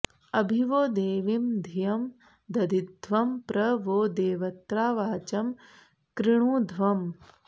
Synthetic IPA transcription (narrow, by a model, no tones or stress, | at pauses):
ɐbʱiʋoːd̪eːʋimd̪ʱijɐm | d̪ɐd̪ʱit̪̚d̪ʱʋɐmpɾɐʋoːd̪eːʋɐt̪ɾaːʋaːt͡ʃɐm | kɾɪɳ̃uːd̪ʱʋɐm